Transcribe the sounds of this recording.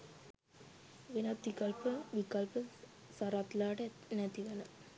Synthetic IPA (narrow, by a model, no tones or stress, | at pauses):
ʋenat̪ʋikɐlpəʋikɐlpə | saɾat̪laːʈə | næt̪iʋenə